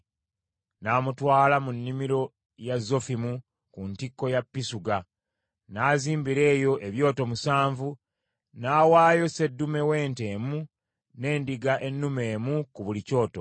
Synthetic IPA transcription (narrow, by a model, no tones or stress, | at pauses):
naːmutwaːlamunːimiɾo̞ | jazːo̞fimu | kuntikːo̞japːisuɡa | naːziːmbiɾe̞ːjo̞ʔe̞βjo̞ːto̞musaːɱvu | naːwaːjo̞se̞dːume̞we̞ːnte̞ːmu | ne̞ːndiɡaʔe̞nːume̞ːmukuβulico̞ːto̞̰